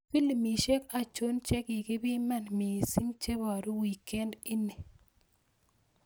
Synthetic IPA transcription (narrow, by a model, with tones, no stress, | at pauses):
fi˦li˨mi˨ʃe˦ka˨t͡ʃo˦nt͡ʃɛ˦ki˨kɪ˦bɪ˦ma˦˨nmi˨si˦ŋt͡ʃe˦bɔ˨ɾo˦wi˨ke˦ndi˦ne˨